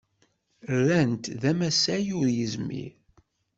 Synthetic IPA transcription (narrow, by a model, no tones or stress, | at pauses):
rːænt̪ðæmæsæjʊɾjəzmḭɾ